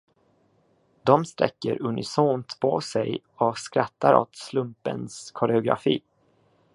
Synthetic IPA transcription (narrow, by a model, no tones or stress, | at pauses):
d̪ɔmst̪ɾɛkːəɾɵnɪsoːnt̪pʰosɛj | ɔskɾat̪ːaɾɔ̰t̪slɵmpə̰nskʰʊɾɛʊɡɾa̰fiː